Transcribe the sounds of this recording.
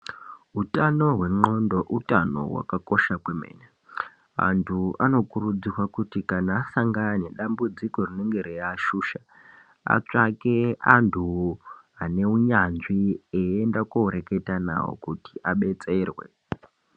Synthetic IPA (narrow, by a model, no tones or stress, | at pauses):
ɦutano̞ɦwe̞ŋ͡ǃo̞ndo̞ʔutano̞̰ɦwa̰kako̞ʃakweme̞̰ːna | a̰ntʰuano̞kurud͡zirwakutikanaːsaŋɡaneɗambud͡ziko̞rine̞ŋɡe̞ɾejaːʃuːʃa | a̰t͡ʂake̞antʰuɦane̞uɲanʐieendakoɾe̞ke̞tana̰wo̰kuti̥ʔaɓe̞t͡se̞ːrwe̞̰